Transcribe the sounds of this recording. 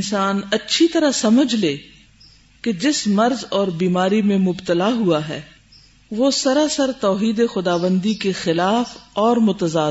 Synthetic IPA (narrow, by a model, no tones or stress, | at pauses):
nsaːnɐtːʃʰit̪ɐɾasɐməd͡ʒʱleː | ked͡ʒɪsmɐɾzɔːɾbiːmaːɾimẽmʊbt̪əlaɦuaɦɛ̰ː | ʋosɐɾasəɾt̪ɔːɦiːd̪exʊd̪aːʋə̃nd̪ikexɪlaːfɔːɾmʊt̪əzaː